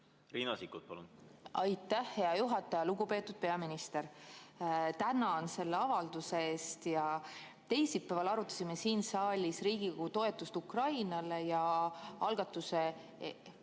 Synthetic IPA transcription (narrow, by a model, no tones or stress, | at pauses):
riːnɑsikːut̪̚pɑ̰lṵnɑjt̪ːˑæhːe̞ɑjuɦɑt̪ːˑɑjɑluɡ̥upe̞ːt̪ːˑud̪̥̚pe̞ɑminist̪e̞ɾ | t̪ænɑnse̞lːeɑvɑld̪̥use̞eːst̪jɑ | t̪e̞jsipːævɑlɑɾut̪ːˑɑ̥sʲime̞siːnsɑːlʲisriːɡ̥iko̥ut̪o̞e̞t̪ːˑust̪ukrɑjnɑle̞jɑɑlɡ̥ɑt̪ːˑuse